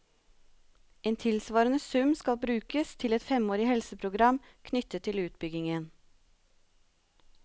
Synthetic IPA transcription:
eːnt̪ʰɪlsʋɑːɾənəsʉmskɑlbɾʉːkəst̪ʰɪlɛt̪fɛmoːɾɪhɛlsəpʰɾʊɡɾɑm | kʰnʏt̪ət̪ʰːɪlʉːt̪̚bʏɡɪŋən

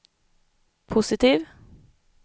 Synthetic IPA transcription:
pʰʊsɪt̪iːʋ

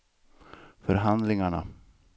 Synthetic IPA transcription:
fœɾɦand̪lɪŋaɳa̰

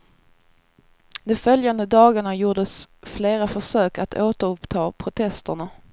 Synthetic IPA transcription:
d̪ɛfœljand̪əd̪ɑːɡaɳajuːɖəsfleːɾafœʂøːkat̪ʰoːt̪əɾɵpt̪ʰɑːpʰɾʊt̪ʰɛst̪əɳa

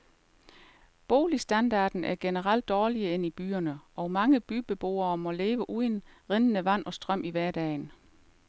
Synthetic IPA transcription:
b̥o̝̰ːlisd̥ænd̥ɑ̈ːd̥n̩æɐɡ̥enəʁɑl̰d̥̚ːɒːliəe̝nib̥y̰ːɐnəʔɒ̽mɑ̈ŋəb̥yːb̥e̝b̥o̝̰ːɐːmɒ̽le̝ːʋəʔuðˠənʁenənəʋæn̰ɒ̽sd̥ʁɶm̰ʔiʋæɐd̥ɛ̰ːn

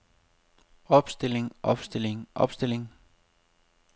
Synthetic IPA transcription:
ɒ̽b̥sd̥e̝leŋʔɒb̥sd̥e̝leŋʔɒ̽b̥sd̥e̝le̝ŋ

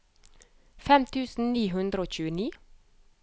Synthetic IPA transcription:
fɛmt̪ʰʉːsn̩niːɦʉnd̪ɾəoːc͡çʉːəniː

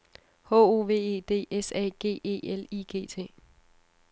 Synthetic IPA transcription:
ho̰ːo̝ːʋe̝̰ːe̝̰ːd̥e̝̰ːesɛ̰ːɡ̥e̝̰ːe̝̰ːeliɡ̥e̝̰ːt͡sʰe̝̰ː

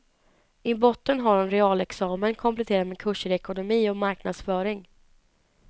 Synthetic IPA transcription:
ɪbɔt̪ːənɦaɾɛnɾɛɑːlɛksɑːmənkʰɔmplɛt̪ʰeːɾad̪meːkʰɵʂəɾɛkʊnʊmiːɔmaɾknad̪sfœːɾɪŋ

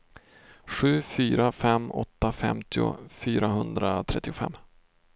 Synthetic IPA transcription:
ɧʉ̟ːfyːɾafɛmːɔt̪ːafɛ̰mt̪ʰɪʊ̰fyːɾaɦɵnd̪ɾat̪ʰɾɛt̪ːɪʊfɛ̰mː

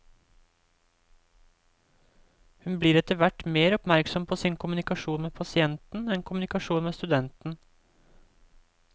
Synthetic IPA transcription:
hʉnbliːɾɛt̪əʋæʈmeːɾɔpmæɾksɔmpʰoːsɪnkʰʊmʉnɪkɑʃuːnmeːpʰɑsɪɛnt̪n̩ɛnkʰʊmnɪkɑʃuːnmeːst̪ʉd̪ɛnt̪n̩

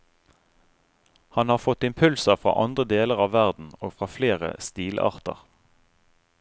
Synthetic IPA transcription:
hɑnhɑːʁfɔt̪ɪmpʰʉlsəʁfʁɑ̰ːʔɑnd̪ʁəd̪eːləʁɑːʋʋæʁd̪n̩oːfʁɑːfleːʁə̰st̪iːlʔɑ̰ːʁt̪ə̰ʁ

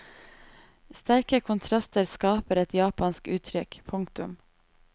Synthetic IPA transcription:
st̪æɾkəkʰʊnt̪ʰɾɑst̪əɾskɑːpəɾɛt̪jɑːpɑnskʉːt̪ʰɾʏkpʰʊŋkt̪ʉ̰m

